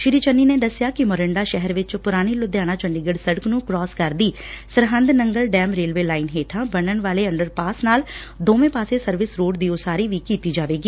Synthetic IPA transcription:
ʃɪɾiːt͡ʃənːiːneːd̪əsɪjaːkɪmoːɾəɳɖaːʃɛɦɛɾʋɪt͡ʃpʊɾaːniːlʊd̪jaːɽ̃ãːt͡ʃəɳɖiːɡɪɖsəɽəknũːkɾɔːskəɾd̪iːsəɾɦə̃nd̪nəŋɡəlɖɛːmɾeːlʋeːlaːɪnɦeːʈʰãːbənənʋaːleːəɳɖəɾpaːsnaːl | d̪oːmẽːpaːseːsəɾʋɪsɾoːʈd̪iːʊsaːɾiːʋiːkiːt̪iːd͡ʒaːʋeːɡiː

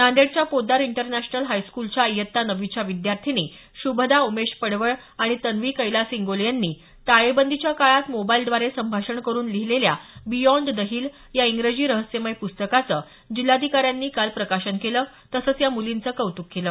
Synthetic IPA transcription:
nand̪eɽt͡ɕjapod̪aɾiɳʈəɾnæɕnəlɦajskult͡ɕjaəjːət̪ːanəʋit͡ɕaʋid̪jaɾt̪ʰiniː | ɕubʱd̪aumeɕpəɽʋəɭ | aɽ̃it̪ənʋiːkəjlasiŋɡoljənːiː | t̪aɭebənd̪ʱit͡ɕjakaɭat̪mobaild̪ʋaɾesəmbʱaɕəɳkəɾuːnliɦileljabijɔɳɖd̪əɦiːl | jaiŋɡɾəd͡ʑiːɾəɦəsjeməjpust̪əkat͡sə | d͡ʑilːad̪ʱikaɾjanːiːkalpɾəkaɕənkeləː | t̪əsəːt͡sjamulint͡səːkəʋt̪ukʰːeləː

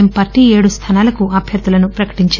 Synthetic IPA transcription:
ɐmpɐʈːieːɽustt̪ʰɐnaːlɐkuɐbʱjɐɾd̪ulɐnupɾɐkɐ̥ʈiɲt͡ʃ

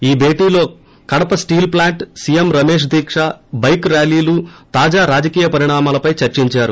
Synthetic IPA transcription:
iːbʱeːʈiːlo̞ː | kɐɽɐpɐsʈiːlplaːɳʈsijemɾɐmeːʂ̬d̪ʱiːkʂabʱɐjkɾjaːliːlut̪aːd͡ʒaːɾaːd͡ʒɐkiːjɐpɐɾiɳ̃aːmaːlɐpɐjt͡ʃɐɾt͡ʃiɲt͡ʃaːɾu

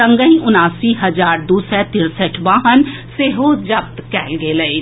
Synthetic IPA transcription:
ə̃ŋɡəĩʔʊnaːsiɦɐd͡ʒaːɾd̪uːsɛt̪ɪɾsəʈʰʋãːɦənseːɦod͡ʒɐp̚t̪kɛːlɡeːləi

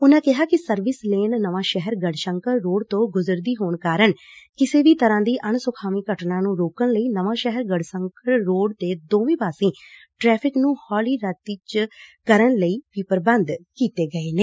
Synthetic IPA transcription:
ʊnãːkɪɦaːkɪsəɾʋɪsleːnːəʋãːʃɛɦəɾɡəɽʃəŋkəɾɾoːɽt̪õːɡʊzəɾd̪iːɦoːɳkaːɾəɳkɪseːʋiːt̪əɾãːd̪iːʔənsʊkʰaːmiːkəʈnãːnũːɾoːkəɳləiːnəʋãːʃɛɦəɾɡəɽʃəŋkəɾːoːɽt̪eːd̪oːʋĩːpaːsĩː | ʈɾɛːpʰɪknũːhɔːliːɾət̪ɪt͡ʃkəɾəɳləiːpiːpəɾbənd̪kiːt̪eːɡəeːneː

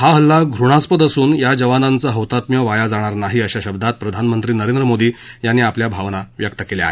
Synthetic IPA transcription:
haɦəlːaɡʱɾuɽ̃aspəd̪əsuːnjad͡ʑəʋanant͡səɦəʋt̪at̪mjəʋajad͡zaɽ̃aɾnaɦiəɕaɕəbd̪at̪̚pɾəd̪ʱanmənt̪ɾiːnəɾend̪ɾəmod̪iːjanːiːapljabʱaʋnaʋjəkt̪əkelea̰ɦe

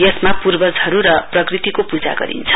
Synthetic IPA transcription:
jʌsmapurbʌd͡zɦʌɾuɾʌprʌkrit̪ikopud͡za̰ɡʌ̰ɾḭnt͡sʰʌ̥

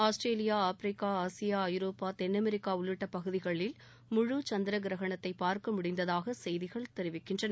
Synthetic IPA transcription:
aːsʈɾeːlɪjaːɐfɾɪkːaːaːsɪjaːɐjɾoːpːaːt̪ɛnːɐmɛɾɪkːaːʊɭɪʈːɐpːɐɣɯðɪɣɐɭɪl | mʊɻut͡ʃɐnd̪ɪɾɐɡɪɾɐɣɐɳɐt̪ːɐɪpːaːɾkɐmʊɽɪnd̪ɐðaːɣɐsɛjðɪɣɐɭt̪ɛɾɪʋɪkːɪndrɐnɐ

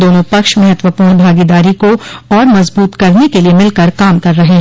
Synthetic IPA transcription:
d̪oːnõpɐkʃmɐɦət̪ʋəpuːñbʱaːɡiːd̪aːɾikoɔːɾmɐzbuːt̪kɐɾnekeliemɪlkɐɾkaːmkɐɾːɐɦẽɦ

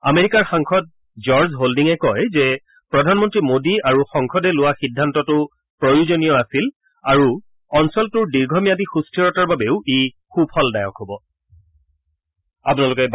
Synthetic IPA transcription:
ameɹikaɹxaŋxʰɔt̚ | zɔɹzɦoldiŋɛkɔjzɛ | pɹɔdʱanmɔntɹimodiaɹuxɔŋkʰɔdɛlʊwaxidʱːantɔtʊ | pɹojuzonijɔasil | aɹu | ɔnsɔltʊɹdiɹɡʱɔmijat̬ixustʰɹiɹɔtaɹbabeʊʔej | xupʰɔldajɔkɦobɔ | apunalʊkɛb

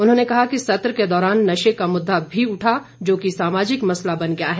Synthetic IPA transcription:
ʊnɦõːnekɐɦakisɐt̪ɾked̪ɔːɾaːnːɐʃekamʊd̪ʱːabʱiʊʈʰa | d͡ʒoːkisaːmaːd͡ʒɪkmɐslabɐnɡɐjaɦɛː

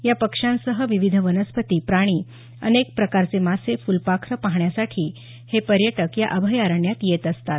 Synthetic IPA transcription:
japəkʂãnsəɦəʋiʋid̪ʱəʋənəspət̪iːpɾaɽ̃iː | ə̰nek̚pɾəkaɾt͡semasefulpakʰɾəpaɦɳjasaʈʰiː | hepəɾjəʈəkja̰ʔəbʱəjaɾəɳjat̪jet̪əst̪at̪̚

